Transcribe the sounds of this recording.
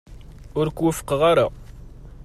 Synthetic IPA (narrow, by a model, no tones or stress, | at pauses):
ʊɾkwəfə̥qʁaɾa